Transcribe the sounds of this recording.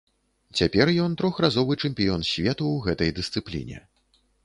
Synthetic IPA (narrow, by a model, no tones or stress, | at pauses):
t͡sʲapʲɛrjɔnt̪ɾɔxrazɔvɨt͡ʂɛmʲpʲijɔnsʲvʲɛt̪uwɣɛt̪ɐjd̪ɨst̪sɨplʲḭnʲɛ̰